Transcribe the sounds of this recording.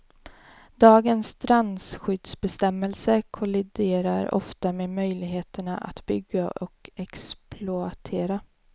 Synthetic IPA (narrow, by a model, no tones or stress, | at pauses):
d̪ɑːɡənst̪ʰɾansɧʏd̪sbɛst̪ɛmːɛlsəkʰʊlɪd̪eːɾaɾɔ̰ft̪ameːmœjlɪɡɦeːt̪əɳaʔa̰t̪bʏɡːaʔɔkɛksplʊat̪ʰeːɾa